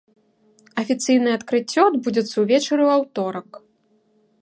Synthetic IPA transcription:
ɐfʲit̪sɨjn̪ɨjɛɐt̪kɾɨt͡sʲːɔd̪bud͡zʲɛt̪sːɐwvʲɛt͡ʂɐɾɨwawt̪ɔɾɐk

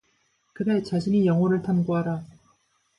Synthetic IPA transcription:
kɯde̞t͡ɕaɕʰiɲijʌŋɦʌɾɯɭtʰanɡoɦaɾa

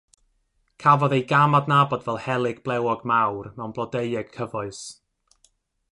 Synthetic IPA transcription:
kʰavɔðejɡamadnabɔdvɛlˠhɛlˠɨɡ̚blˠɛwɔɡmawrmɛwnblˠɔdeɨɛɡ̥kʰəvʊɨs

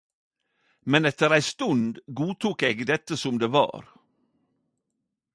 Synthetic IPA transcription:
mɛnɛt̪əɾæɪst̪ʉnd̪ɡuːt̪ʰuːkeːɡd̪ɛt̪ːəsɔmd̪eːʋɑ̰ːɾ

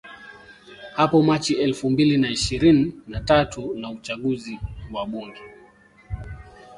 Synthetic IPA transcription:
hapɔmat͡ʃiɛlfumbilinaiʃiɾininatatunaut͡ʃaɠuziwaɓuŋɡɛ

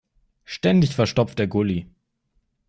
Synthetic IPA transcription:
ʃtɛndɪçfɛɐʃtɔp͡ft̚d̥eːɐɡʊli

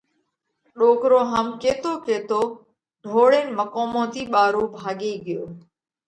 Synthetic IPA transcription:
ɗoːkɾoːɦamkeːt̪oːkeːt̪oː | ɖʱoːɽeːnməkoːmõːt̪iːɓaːɾoːbʱaːɠeːɠɪjoː

